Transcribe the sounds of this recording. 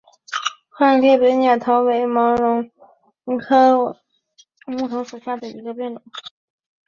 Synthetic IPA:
xwa˥˧nljɛ˥˩pe˧˥nja˨˩t̪ʰo˧˥ʊwe˧˥ɪmɑ˧˥ʊɻʊ˧˥ŋ˧˥ | kʰɤ˥ | mu˥˩t̪ʰʊ˧˥ŋʂu˨˩ɕja˥˩d̪ə˩ḭ˧˥ɡə˧pjɛ˥˩nɻʊ̰˨˩˦ŋ

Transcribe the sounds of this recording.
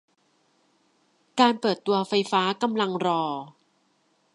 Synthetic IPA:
kaː˧npɤː˨˩t̪ːu˧ɐfa˧jfaː˦˥ka˧mla˧ŋɾɔː˧

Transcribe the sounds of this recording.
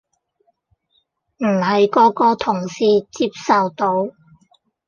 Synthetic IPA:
m̩ː˨˩hɐ˨jkɔː˨˧kɔː˧t̪ʰʊ˨˩ŋsiː˧t͡siː˧˥p̚sɐ˨wt̪o˨˥w

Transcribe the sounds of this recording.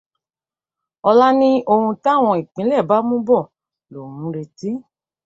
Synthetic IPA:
ɔ˧la˦nĩ˦o˧hũ˧ta˦˨w̃ɔ̃˧i˨k͡pĩ˨˦lɛ˦˨ba˨˦mũ˦bɔ˦˨ | lo˨mũ˨˦ɾe˧ti˦

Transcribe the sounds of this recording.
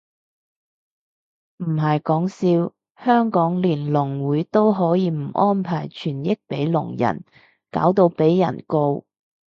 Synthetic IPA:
m̩˨˩ɦɐ˨jkɔː˨˥ŋsiː˧w | hœː˥ŋkɔː˨˥ŋliː˨˩nlʊ˨˩ŋwuː˨˥jt̪o˥wɦɔː˨˥jiː˨˧m̩˨˩ʔɔː˥npʰaː˨˩jt͡ʃʰyː˨˩njɪ˥k̚pe˨˥jlʊ̰˨˩ŋjɐ̰˨˩n | ka̰ː˨˥wt̪o˧wpe˨˥jːɐ̰˨˩nko˧w

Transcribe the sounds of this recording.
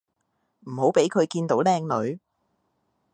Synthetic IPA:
m̩˨˩ho˨˥wpe˨˥jkʰɵ˨˧ɥkiː˧nt̪o˨˥wlɛː˥ŋlɵ˨˧ɥ

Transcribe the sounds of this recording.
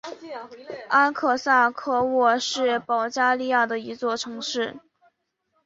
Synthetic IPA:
a˥nkʰɤ˥˩sa˥˩kʰɤ˥˧wɔ˥˧ʂɻ̩˥˩pɑ˧˥ʊt͡ɕja˥li˥˧ja˥˩d̪ə˩i˧˥t͡swɔ˥˩ʈ͡ʂʰɤ˧˥ŋʂɻ̩˥˩

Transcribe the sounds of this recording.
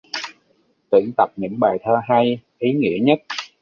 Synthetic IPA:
t̪ɨ̰˧˩əŋt̪ə˨˩p̚ɲɨ̰˧˥ŋɓaː˨˩jt̪ʰəː˧ɦa˧jʔi˨˦ŋḭ˧˥əɲə˦˥t̚

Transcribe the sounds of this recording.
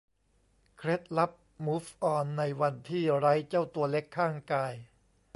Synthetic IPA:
kʰɾe˦˥t̪̚la˦˥p̚mu˦˥fʔɔː˧nːa˧jwa˧nt̪ʰiː˥˩ɾa˦˥jt͡ɕa˥˩wt̪u˧ɐle˦˥kʰːaː˥˩ŋkaː˧j

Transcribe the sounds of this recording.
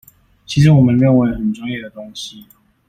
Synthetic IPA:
t͡ɕʰi˧˥ʂɻ̩˨˧˥wɔ˨˩mə˨˦nɻə˥˧nwe˧˥ɪxə˨˩nʈ͡ʂwɑ˥ŋjɛ˥˩d̪ə˩t̪ʊ˥ŋɕi˦

